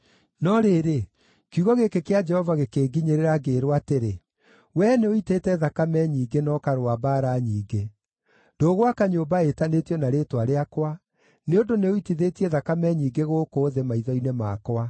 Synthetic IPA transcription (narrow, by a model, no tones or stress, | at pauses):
nɔɾeːɾe | kuɣɔɣekekead͡ʒɛhɔvaɣekeːɡiɲeɾeɾaɡeːɾwateɾe | wɛːneoitetɛðakamɛɲiːɡenɔkaɾoabaɾaɲiːɡe | doɣwakaɲoːbaetanetijɔnaɾeːtwaɾeakwa | neondoneoitiðetiɛðakamɛɲiːŋɡeɣoːkoːðemaiðɔinemakwa